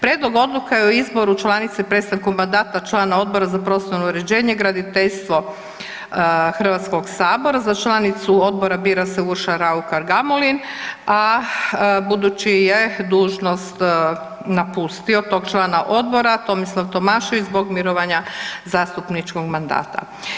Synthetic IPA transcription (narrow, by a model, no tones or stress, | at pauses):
pɾjeːd̪lˠo̞ɡo̞d̪lˠukajeoizbo̞ɾut͡ʃlˠanit̪sepɾet̪st̪ankumand̪aːt̪at͡ʃlˠaːnao̞d̪bo̞ɾazapɾo̞sonouɾe̞d͡ʑeːɲeɡɾad̪it̪eʎst̪ʋo̞ | xr̩ʋat̪sko̞ɡsaːbo̞ɾazat͡ʃlˠanit̪suo̞d̪̚bo̞ɾabiːɾaseuɾʃaɾaukaɾɡamolina | bud̪ut͡ɕijed̪uːʒno̞st̪ | napust̪io̞t̪o̞ɡt͡ʃlˠaːnaʔo̞d̪bo̞ɾat̪o̞mislˠaʋt̪o̞maʃiizbo̞ɡmiɾoʋaɲazaːst̪upnit͡ʃko̞ɡmand̪a̰ːt̪a̰